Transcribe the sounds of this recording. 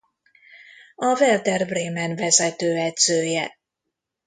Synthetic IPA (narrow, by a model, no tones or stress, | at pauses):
ɒvɛld̪ɛrbreːmɛnvɛzɛt̪øːɛd̪z̥øːjɛ̰